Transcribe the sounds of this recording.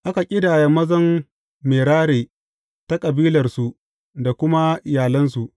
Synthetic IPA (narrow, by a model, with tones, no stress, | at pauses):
ʔa˦ka˨kʲʼɪ˦daː˨ja˨mɐ˦zɐ˦mː | eː˨ɽaː˦ɽeː˨ | ta˦kʼɐ˨biː˦lɐ˨rsu˨ʔ | da˨kʷʊ˦ma˦ʔɪ˨jaː˨lɐ˦nsu˨ʔ